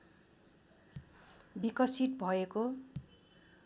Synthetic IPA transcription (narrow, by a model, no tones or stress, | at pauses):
bikʌsit̪̚bʱʌeko